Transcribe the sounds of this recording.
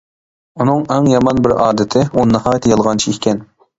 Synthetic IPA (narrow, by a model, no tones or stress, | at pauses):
unɨŋɛŋjɑmɑnbɪɾɑːd̪ɪt̪ʰɪunːɨhɑːjt̪jɑlˠʁɑnt͡ʃʰiikʲʰɛn